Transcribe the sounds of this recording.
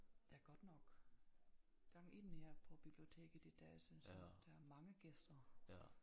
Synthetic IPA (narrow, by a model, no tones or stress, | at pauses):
d̥eæɐɡ̥ɒ̽d̥nɒ̽ɡ̥ | ɡ̥ɑ̈ŋ̰e̝n̰heɐ̰pʰɒ̽b̥ib̥lio̝t͡sʰe̝̰ːɡ̥əd̥id̥ɛːsynsɒd̥ææɐmɑ̈ŋəɡ̥esd̥ɐ